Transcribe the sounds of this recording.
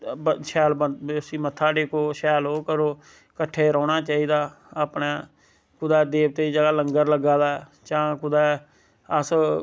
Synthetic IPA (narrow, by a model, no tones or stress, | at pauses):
ʃɛːlbəsiːmət̪ʰːaːɖeːkʰoːʃɛːlɦoːkəɾoː | kəʈʰːeːɾɔːnaːt͡ʃaːiːd̪aː | əpnaː | kʊd̪ɛːd̪eːbt̪eːiːd͡ʒəɡaːləŋɡəɾləɡaːd̪aː | t͡ʃãːkʊd̪ɛː | əs